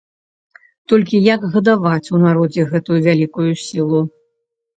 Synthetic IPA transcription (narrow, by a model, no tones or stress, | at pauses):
t̪ɔlʲkʲijɐɡɣɐd̪avat͡sʲunaɾɔd͡zʲɛɣɛt̪ujuvʲalʲikujusʲilˠu